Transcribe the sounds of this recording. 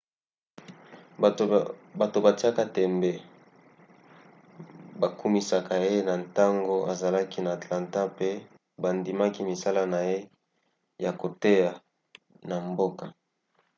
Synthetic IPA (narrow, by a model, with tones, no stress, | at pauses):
ba˨to˨ba˨ti˦a˦ka˦tɛ˨mbe˨ | ba˨ku˦mi˦sa˨ka˨je˦na˨nta˦ŋɡo˦a˨za˨la˦ki˦naː˨tlã˨nta˦pe˦ | ba˨ndi˨ma˦ki˦mi˨sa˦la˦na˨je˦ | ja˨ko˨te˦ja˨ | na˨mbo˦ka˨